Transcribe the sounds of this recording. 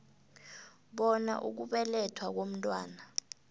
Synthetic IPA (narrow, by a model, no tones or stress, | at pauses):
ɓɔna̰ʔuk̬uɓɛlɛtʰwak̬om̩tʼwa̰ːna